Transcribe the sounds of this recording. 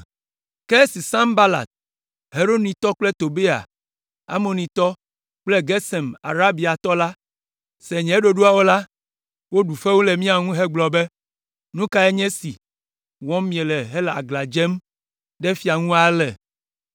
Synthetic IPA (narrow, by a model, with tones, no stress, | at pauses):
kɛ˦si˨sã˦mba˦la̰˨t̪̚ | ɦe˨ɾo˦nĩ˨t̪ɔ˦k͡plɛ˦t̪o˨be˦a̰˨ | a̰˦mo˨nĩ˨t̪ɔ˦ | k͡plɛ˦ɡɛ˦sɛ˨ma̰˨ɾa˦bi˨a˨t̪ɔ˦la˦ | sɛ˨ɲɛ̃˨˦ɖo˨ɖu˦a˨wo˦la˦ | wo˦ɖu˨fɛ˦wo˦lɛ˨mĩ˦a˨ŋũ˦ɦɛ˦ɡ͡blɔ˨bɛ˦ | nũ˦ka˦ɛ˦ɲɛ̃˦si˨ | wɔ̃˦mĩ˨ɛ˨lɛ˨ɦɛ˦la̰˨ɡla˨d͡ʒɛ˦m | ɖɛ˦fi˨a˨ŋũ˦a˦lɛ˨